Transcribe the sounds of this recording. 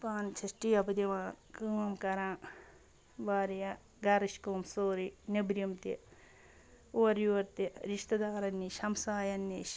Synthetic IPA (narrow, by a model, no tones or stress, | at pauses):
paːnt͡ʃʰɐʃʈiːɐbɐd̪iʋãːnkɨːmɐmkɐɾãː | ʋaːɾijɐ | ɡɐɾɐʃkoːmsoːɾinɐbɾjɐmt̪i | oːɐɾjuʋɐɾt̪iɾiʃt̪ɐd̪aːɾɐnːiʃɐmsaːjɐnːiːʃ